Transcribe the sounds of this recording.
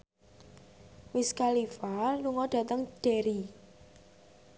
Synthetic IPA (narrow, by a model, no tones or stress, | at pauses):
wɪskalifaluŋɔɖ̥ä̤t̪əŋɖ̥eɾi